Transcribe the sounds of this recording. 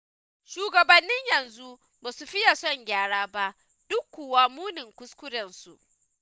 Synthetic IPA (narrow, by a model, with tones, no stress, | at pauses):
ʃuː˨ɡɐ˨bɐ˨nːɪ˦ɲjɐ˨nzu˦ | baː˨su˨ɸɪ˦ja˨sɔ˦˨ŋɡʲaː˦˨ɽaː˦ba˦ʔ | d̥ʊ˦kʷːuː˨waː˦muː˦nɪ˨ŋkʷʊ˦skʷʊ˦ɽɐ˨nsṵ˨ʔ